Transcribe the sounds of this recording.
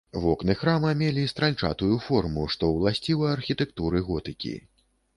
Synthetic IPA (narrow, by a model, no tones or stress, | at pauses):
vɔknɨxɾamɐmʲelʲist̪ɾalʲt͡ʂa̰t̪ujufɔrmuʂt̪ɔwlˠasʲt͡sʲivɐːrxʲit̪ɛkt̪uɾɨɣɔt̪ɨkʲḭ